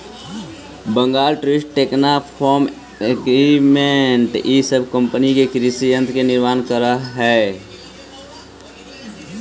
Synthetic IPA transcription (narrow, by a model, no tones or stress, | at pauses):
bə̃ŋɡaːlʈɾesʈʈeːknapʰɔːm | ekimẽɳʈjisəbkə̃mpənikekɾisiə̃nt̪ʰkenɪɾmaːnkəɾaɦɛː